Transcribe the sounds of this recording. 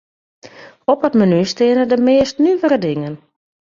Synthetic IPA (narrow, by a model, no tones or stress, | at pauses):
ɔpətmənystɪənədəmɪəstnyʋəɾədɪŋən